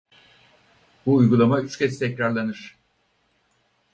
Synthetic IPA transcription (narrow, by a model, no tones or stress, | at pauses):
buːjɡulˠamayt͡ʃcʲʰɛst̪ʰɛcɾaɾlˠanɯɾ̝̥